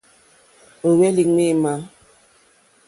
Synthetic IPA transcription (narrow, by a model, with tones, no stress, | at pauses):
o˨wɛ˦li˨ŋ͡me˦˨ma˦